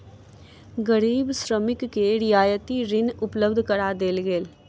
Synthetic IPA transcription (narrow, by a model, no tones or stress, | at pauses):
ɡəɾiːbsɾəmɪkːeɾɪjaːjət̪iɾɪnʊpləbd̪ʱkəɾad̪eːlɡeːl